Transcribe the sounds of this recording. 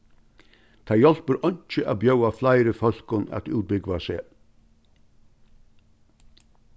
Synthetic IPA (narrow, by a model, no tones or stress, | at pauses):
t̪ʰɑjɔlbəɾʔɔɲt͡ʃəʔɑ̰ːbjœʊaflɑɪɾəfœl̥kʊnæ̰t̪ʉːt̪̚bʏɡʋɑseː